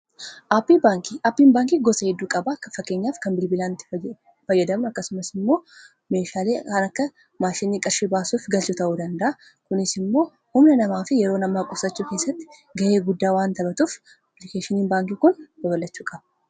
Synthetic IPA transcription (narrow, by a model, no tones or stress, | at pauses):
ʔaːpːibaːŋkiʔaːpːiːnbaːŋkiːɡɔsɐhɛd̪ːuːkʼɐbɐkːɐfɐkːeːɲːaːfkɐnbɪlbɪlaːnɪt̪ːɪ̥ | fɐjːɐd̪ɐmʊɐkːɐsʊmɐsɪmːo̞ː | me̞ːʃaːle̞ːɐnɐkːɐ | maːʃɪnːiːkʼɐɾʃibaːsuːfɡɐlt͡ʃʊt̪ɐʔuːd̪ɐnd̪ɐʔɐ | kʊnɪsɪmːo̞ː | hʊmnɐnɐmaːfɪjɛɾo̞ːnɐmːaːkʼʊsɐt͡ʃːuːke̞ːsːɐt̪ːɪ̥ | ɡɐʔe̞ːɡʊd̪ːaːwaːnt̪ɐbɐt̪ʼuːf | ɐplɪkeːʃɪniːnbaːŋkikʊnwɐbɐlːɐt͡ʃːuːkʼɐbɐ